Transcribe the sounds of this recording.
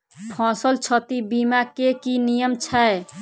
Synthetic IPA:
pʰɔ̃səlt͡ʃʰət̪ibimakekinijəmt͡ʃʰɛe

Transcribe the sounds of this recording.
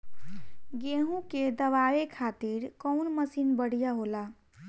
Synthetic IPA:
ɡeɦũked̪əʋaekʰat̪iɾkəʊnməsinbəɽ̤ijaɦola

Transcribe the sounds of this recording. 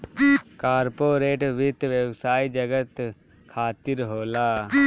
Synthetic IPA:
kaːɾpoːɾeːʈʋɪt̪ʋjəwsaːid͡ʒəɡət̪ | kʰaːt̪iɾɦoːlaː

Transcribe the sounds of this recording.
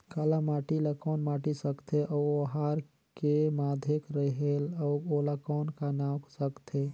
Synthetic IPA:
kalamaʈilakɔːnmaʈisəkt̪ʰeʔɔoɦaɾ | kemad̪ʱjekɾəɦelɔolakɔnkanaksəkt̪ʰe

